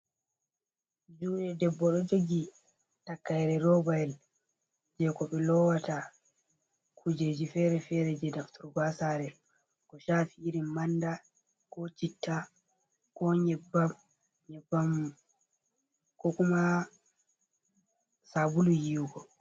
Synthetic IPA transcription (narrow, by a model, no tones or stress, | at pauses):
d͡ʒuɗɛdɛbːɔɗɔd͡ʒoɡi | takːajɛɾɛɾɔbaɛl | d͡ʒɛkɔɓɛlɔwata | kʰud͡ʒed͡ʒifɛɾɛfɛɾɛd͡ʒɛdaftuɾɡasaɾɛ | kɔʃaːfiːɾimanda | kɔt͡ʃitʰːa | kɔɲɛbːam | ɲɛbːam | kɔkuma | sabulujiɡɔ